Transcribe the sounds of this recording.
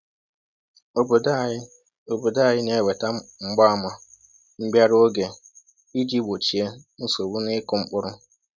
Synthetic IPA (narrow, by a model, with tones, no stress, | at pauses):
o˨bda˦ | o˨bo˨da˦˨jɪ˦ne˨˦˨we˨ta˦ŋ͡m̩˦ɡ͡ba˦˨ma˨ | m̩˦bja˦ɾo˦ɡe˨ | i˦d͡ʒi˦bo˨t͡ʃi˨e˦nu˦so˨bu˦nɪ˦kʊ˨ŋ͡m̩˦k͡pʊ˦ɾʊ˦